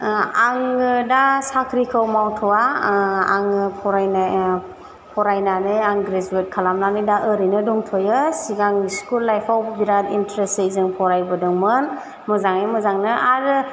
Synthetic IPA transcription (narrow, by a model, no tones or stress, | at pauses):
aŋdasakʰɾikʰəwmawtʰɔwaa̰ŋpʰɔɾajna | pʰɔɾajnanɯjaŋɡɾezuet̚kʰalamnanɯjdaʔəɾinɯdɔŋtʰɔjɯsiɡaŋiskulːajpʰawbiɾadintɾesejzɯŋpʰɔɾajbɯdɯŋmɯn | mɯzaŋɯjmɯzaŋnɯʔaɾ